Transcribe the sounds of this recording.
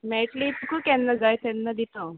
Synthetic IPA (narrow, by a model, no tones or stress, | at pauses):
mɛʈlit̪ukukɛnːəd͡zajt̪ɛnːəd̪it̪õ